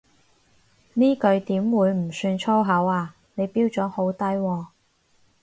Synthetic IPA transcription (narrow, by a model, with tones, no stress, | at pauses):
niː˥kɵ˧ɥt̪iː˨˥mwuː˨˧jm̩˨˩syː˧nt͡ʃʰɔː˥wɦɐ˨˥waː˧ | ne˨˧jpiː˥wt͡sɔː˨˥ho˨˥wt̪ɐ˥jwɔː˧